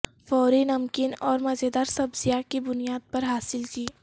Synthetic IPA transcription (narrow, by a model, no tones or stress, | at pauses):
fɔːɾinɐmkɪnɔːɾmɐd͡ʒed̪aːɾsɐbzijaːkibʊnijaːd̪̚pɐɾɦaːsɪlkiː